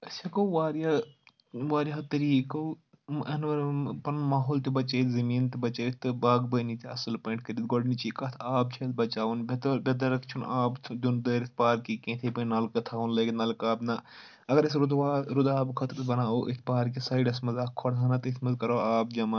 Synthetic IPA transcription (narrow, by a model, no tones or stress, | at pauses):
ɐt͡ʃʰɐkɐʋaːɾa | ʋaːɾʲɐt̪ɐɾiːkɐ | ɐnʋɐɾpɐnmaːɦoːlt̪ibɐt͡ʃeːt̪ʰzɐmiːnt̪ibɐt͡ʃeːt̪t̪ɨbaːɡbɐnit̪iɐ̰sɨlpɐɳʈ̚kɐɾit̪̚ɡoɖnit͡ʃiːkɐt̪ʰaːb̚t͡ʃʰɐt̪ʰbɐt͡ʃaːʋunbɐd̪ɐbʲɐd̪ɐɾɐkt͡ʃʰunaːbt̪ʰd͡ʒund̪ɐɾt̪̚ʰpaːɾkikẽːt̪ʰepɐnaːlkɐt̪ʰaːʋunlɐːknɐlkaːbnɐ | ɐɡɐɾɐsɾud̪ʋaːɾud̪aːbkʰɐt̪ɾt̪ʰbɐnaːoʔḭt̪ʰpaːɾkisɐːiɖɐsmɐzaːkʰːɔɽt̪ʰaːnɐt̪ɪt̪ʰmɐzkɐɾoːaːbd͡ʒɐma